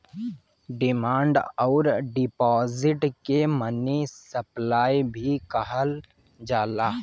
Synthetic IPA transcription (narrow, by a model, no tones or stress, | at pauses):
ɖɪmãːɳɖɔːɾɖɪpɔːzɪʈkemənisəplaːibʱikɐɦəl | d͡ʒaːlaː